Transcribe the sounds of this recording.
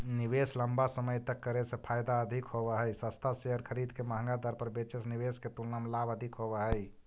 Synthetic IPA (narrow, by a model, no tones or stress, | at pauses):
nibesləmbasəməjt̪əkːəɾesẽpʰajd̪aəd̪ʱikɦoβɛɦəjsəst̪ʰaseɦəɾkʰəɾid̪keməɦə̃ŋɡad̪əɾpəɾbet͡ʃesniβesket̪ulnəmlabəd̪ʱikɦobɛɦəj